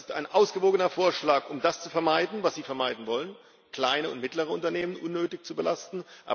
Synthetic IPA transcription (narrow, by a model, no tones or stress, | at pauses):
sta̰ɪnʔaʊsɡ̥əvoːɡənɐfoːɐʃlaːkʔʊmdast͡sufɛɐmaɪdn̩vasz̥iːfɛɐmaɪdn̩vɔlən | kl̥aɪnəʊ̰ntmɪtləʁ̞əʊntɐneːmənʔʊnːøːtɪçt͡subəlastn̩ʔa̰ː